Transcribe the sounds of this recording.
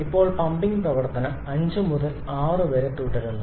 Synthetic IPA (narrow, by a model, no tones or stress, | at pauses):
ipːo̞ːɭpɐmbiŋɡprɐʋɐɽt̪ːɐnɐ | ɐɲd͡ʑɨmuðɐl | aːrɨʋeɾɐʈːuːʈːɐɾunːu